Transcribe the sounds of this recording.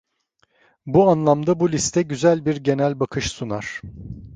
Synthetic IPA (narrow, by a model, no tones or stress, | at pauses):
buanlˠamd̪abulʲist̪ʰɛɟyzælʲbiɾɟe̞nælʲbakʰɯʃsunaɾ̥